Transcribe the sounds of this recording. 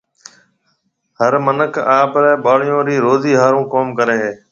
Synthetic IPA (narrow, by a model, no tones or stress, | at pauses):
ɦəɾmənəkʰaːbɾɛːɓaːɽɪjõːɾiːɾoːziːɦaːɾũːkoːmkəɾeːɦeː